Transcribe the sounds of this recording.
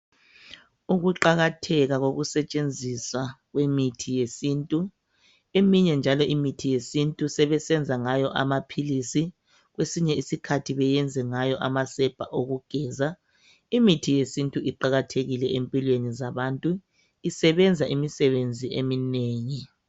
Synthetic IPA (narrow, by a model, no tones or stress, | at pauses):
uɣuǃaɣatʰɛɣaɣoɣusɛt͡ʃʼend͡zʱiswaɣwemitʰijesiːntʼu | emiɲɛnd͡ʒʱalɔʔimitʰijesintʼusɛβɛsɛnd͡zʱaŋajɔʔa̰mapʰilisi | ɣwesiɲɛisikʰatʰiβɛjɛnd͡zʱɛŋajɔʔamasɛb̥ʱaʔoɣuɡ̥ʱɛːza | imitʰijesintʼuʔiǃaɣatʰeɣilɛempʼilwenizaβantʼu | isɛβɛnd͡zʱaʔimisɛβend͡zʱiemineːŋi